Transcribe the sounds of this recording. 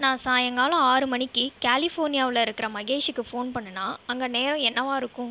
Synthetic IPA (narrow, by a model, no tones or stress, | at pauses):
nãːsaːjɐŋɡaːlɐ̃aːɾɯmɐɳɪkːɯkaːlɪfoːɾnɪjaːʋɪlɐɪɾɯkːɪɾɐmɐɣeːʂɯkːɯfoːnpɐɳːɐnːaːɐŋɡɐneːɾɐ̃ɛnːɐʋãːɪɾɯkːʊ̃